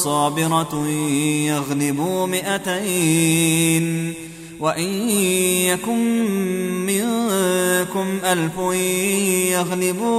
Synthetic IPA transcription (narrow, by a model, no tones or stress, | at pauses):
sˤɑːbɪɾˤɑ | jaɣnɪbuːmɪʔat̪aj | n | waʔɪnjakʊmː | ɪ | kʊmʔalfʊ | jaɣnɪbuː